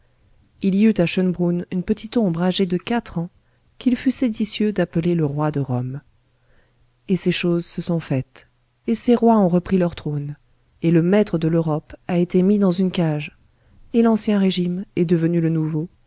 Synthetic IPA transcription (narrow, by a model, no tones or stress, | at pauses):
iliyt̪aʃənbʁunynpət̪it̪ɔ̃bʁaʒed̪əkat̪χɑ̃ | kilfysed̪isjød̪apəleləʁwad̪əʁɔm | eseʃozsəsɔ̃fɛt̪ | eseʁwaɔ̃ʁəpχilœʁt̪χon | eləmɛt̪χəd̪əløʁɔpaet̪emid̪ɑ̃zynkaʒ | elɑ̃sjɛ̃ʁeʒimɛd̪əvənylənuvo